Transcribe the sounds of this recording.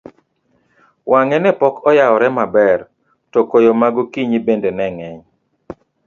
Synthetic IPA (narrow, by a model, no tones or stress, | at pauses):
waŋɛnɛpɔkɔjaɔɾɛmabɛr | tɔkojomaɡokiɲibendenɛŋɛɲ